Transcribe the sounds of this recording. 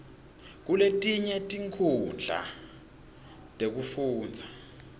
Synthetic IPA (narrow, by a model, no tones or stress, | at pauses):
k̬uletʼiɲɛtʼiŋkʰund͡ɮʱa̰ | tʼek̬ufuːnd͡zʱa